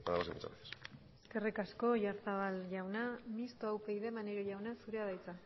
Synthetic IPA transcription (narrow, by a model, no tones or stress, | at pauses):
aðaasḭmṵt͡sa̰βet̪eseske̞rikasko̞ʝaɾsaβalʝawnamist̪oawpejðemaneɾoʝawnasuɾeaðajt͡sa